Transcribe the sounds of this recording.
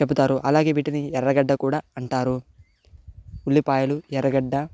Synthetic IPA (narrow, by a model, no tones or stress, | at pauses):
t͡ʃebut̪aːɾuʔɐlaːɡe̞ːʋiːʈiniɛɾɐɡɐɖːɐkuːɽaːɐɳʈaːɾu | ulːipaːjɐluɛɾɐɡɐɖːɐ